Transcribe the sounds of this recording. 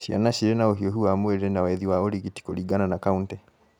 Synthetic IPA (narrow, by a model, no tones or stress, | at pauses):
ʃia̰naʃiɾɛnaoɦiɔɦuwamwɛɾɛnawaɛðiwaɔɾiɣiti̥koɾiɡananakauntɛ